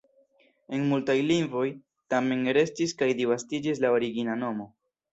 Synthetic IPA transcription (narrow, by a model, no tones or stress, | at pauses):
e̞nmultajliŋvo̞j | tame̞nɾe̞stiskajdivastid͡ʒis̬lao̞ɾiɡinano̞mo̞